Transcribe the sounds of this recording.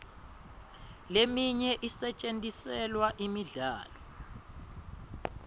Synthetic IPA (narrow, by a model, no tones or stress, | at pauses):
lemiɲɛʔisɛt͡ʃʼentʼisɛlwaʔimiɮa̰ːlɔ